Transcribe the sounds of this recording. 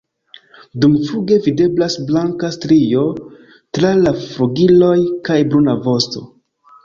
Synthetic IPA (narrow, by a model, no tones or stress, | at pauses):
dumfuɡe̞vide̞blasblaŋkastɾio̞ | tɾalafɾuɡilo̞jkajbɾunavo̞sto̞̰